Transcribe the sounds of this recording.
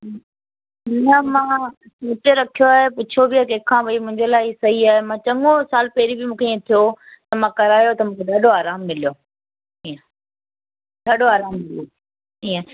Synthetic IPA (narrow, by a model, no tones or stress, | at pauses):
nəmãː | suːʈeɾɐkʰijoaːɦepʊt͡ɕʰobɪjaːkeːkʰãːbɐimʊ̃ɦɪ̃ɲd͡ʑəlaːɪsɐɦiaːɦemãːt͡ɕɐ̃ŋosaːlpɛɦɪɾibɪmũːkʰeiːẽt̪ʰijot̪ɐmãːkɐɾaːjot̪ɐmũːkʰed̪ʱɐɗoaːɾaːmːɪlijo | iːə̃ | d̪ʱɐɗoaːɾaːmːɪljo | iːə̃